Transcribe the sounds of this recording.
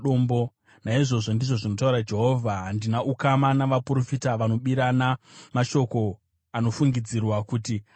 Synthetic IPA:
oːmbo̞ | naiʐo̞ʐo̞ndiʐo̞ʐino̞tauɾad͡ʒe̞ɦo̞vʱaɦandinaʔukamanaʋapuro̞fitaʋano̞ɓiɾanamaʃo̞ko̞ | ano̞fuŋɡid͡zirwakuti

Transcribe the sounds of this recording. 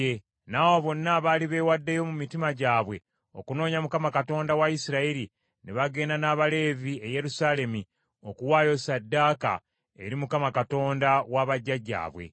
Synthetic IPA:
e | nawoβo̞nːaːβaːliβe̞ːwadːe̞jo̞mumitimaɟaːβwe̞ | o̞̰kuno̞ːɲamukamakato̞ːndawajisiɾaiɾi | neβaɡe̞ːnanaːβale̞vie̞je̞ɾusaːle̞mi | o̞kuwaːjo̞sadːaːka̰ | ḛɾimukamakato̞ːndawaβaɟːaɟa̰ːβwe̞̰

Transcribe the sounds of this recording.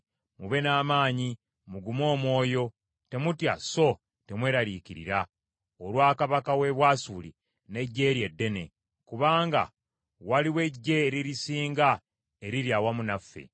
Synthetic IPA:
muβe̞naːmaːɲi | muɡumo̞ːmwo̞ːjo̞ | te̞mutja̰so̞ | te̞mwe̞ːɾaɾiciɾḭɾa | olwaːkaβakawe̞βwaːsuːlḭ | ne̞ɟːe̞ːɾje̞dːe̞ne̞̰ | kuβaːŋɡa̰ | waliwe̞ɟːe̞ːɾiɾisiːŋɡa | e̞ɾiɾjawamunafːe̞̰

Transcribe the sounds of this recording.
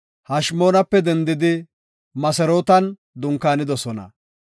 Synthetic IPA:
hɐʃmo̞ːnɐpːɛd̪ɛnd̪ɪd̪ɪ | mɐsɛɾoːt̪ɐn | d̪ʊŋkaːnɪd̪ɔsɔnɐ̰

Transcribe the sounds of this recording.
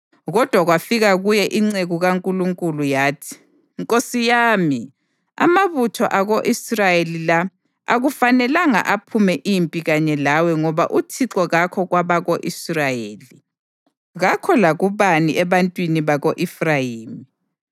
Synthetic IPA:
ɣɔd̥ʱwaɣwafiɣaɣujɛʔiŋ͡ǀeɣuɣaŋkʼuluŋkʼulujaːtʰi̥ | ŋkʼosijaːmi | a̰maβutʰɔʔaɣoʔisrajelila | a̰ɣufanɛlaŋa̰ʔapʰumɛʔimpʼiɣaɲɛlawɛŋɔβaʔutʰiǁɔɣakʰɔɣwaβaɣoʔisrajeːli | ɣakʰɔlaɣuβaniʔɛβantʼwiniβaɣoʔifrajiːmi

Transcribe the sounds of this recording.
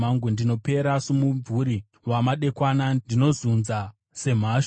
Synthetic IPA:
aŋɡendino̞pe̞ɾasumuvuɾi | ʋamaɗe̞kwanandino̞zunza | se̞m̤aʃ

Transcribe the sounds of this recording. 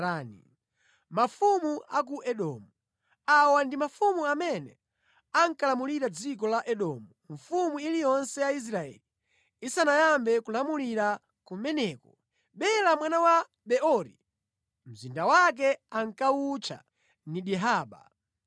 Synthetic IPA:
ni | mafumuak̬uʔɛɗɔ̰ːmu | awandimafumuamɛnɛ | aŋkalamuliɾad͡zikɔlaʔɛɗɔmuɱfumuilijɔnsɛjais̬ɾaɛ̰li | isanajambɛkulamuliɾa | kumɛnɛːkɔ | ɓɛlamwanawa | ɓɛɔɾi | m̩zindawak̬ɛaŋ̩kaut͡ʃʰa̰ | niɗiɦaːɓa̰

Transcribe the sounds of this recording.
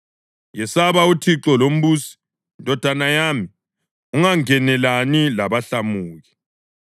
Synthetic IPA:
jɛsaβautʰiǁɔlom̩βuːsi̥ | ndʱɔd̥ʱanajami | uŋaŋɛnɛlanilaβaɬamuːɣi

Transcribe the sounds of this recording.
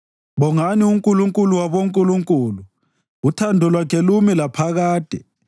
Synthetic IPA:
βɔŋaniuŋkʼuluŋkʼuluwaβoŋkʼuluŋkʼuːlu | utʰandʱulwakʰɛlumilapʰaɣaːd̥ʱɛ

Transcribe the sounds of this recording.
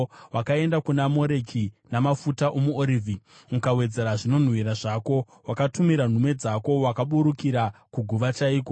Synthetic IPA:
wʔakae̞ndakunamo̞ɾe̞kʰinamafutaʔomuoɾiːvʱi | mukawe̞d͡ze̞ɾaʐino̞n̤wiɾaʐako̞ | wakatumiɾan̤umwe̞d͡zako̞wakaɓuɾukiɾakuɡʱuʋat͡ʃaiːko

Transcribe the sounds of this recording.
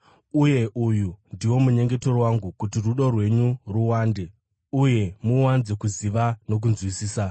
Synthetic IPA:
uje̞ʔujundiwo̞muɲe̞ŋɡe̞to̞rwaŋɡukutiruɗo̞rwe̞ɲuruwaːnde̞ | uje̞muwanze̞kuziʋano̞k̬unzwisiːsa

